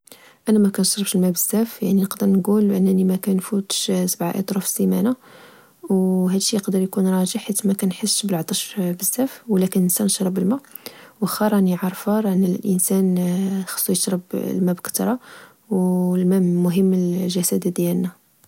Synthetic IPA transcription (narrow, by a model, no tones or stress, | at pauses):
ʔænæmækænʃɾˤəbʃlmæbəzːæfjaʕninəqd̪əɾˤnɡulʔənːænimækænfut̪ʃsəbʕa̰ʔɑ̰t̪ˤɾufsimænæ | wɦæd̪əʃijəqd̪əɾjkunɾˤɑʒəħħit̪ːmækænħəsːblʕt̪ˤɑʃbəzːæfwlækənʔənsænʃɾˤəbəlmæ | wəxɑɾˤɑniʕɑɾˤfɑɾˤʔənːəllʔənsænxɑ̥sˤːujəʃɾˤəblmæbkə̥t̪ɾˤɑ | wlmæmʊɦəmːəlʒæsæd̪ad̪jælnæ